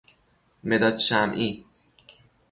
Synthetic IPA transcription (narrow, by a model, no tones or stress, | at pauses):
med̪ɒd̪ʃæmʔi